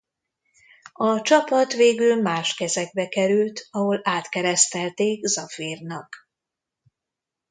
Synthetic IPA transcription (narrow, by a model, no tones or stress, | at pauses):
ɒt͡ʃɒpɒt̪ʋeːɡylmaːʃkɛzɛɡ̚bɛkɛɾylt̪ɒɦo̞laːt̪kɛɾɛst̪ɛlt̪eːkzɒfiːrnɒk